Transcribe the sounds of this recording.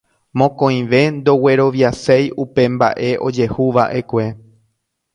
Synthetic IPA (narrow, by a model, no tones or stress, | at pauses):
mõ̞kõĩʋe̞nd̪o̞we̞ɾo̞ʋjasejupe̞mba̰ʔe̞ʔo̞d͡ʒe̞huʋaʔe̞kʷe̞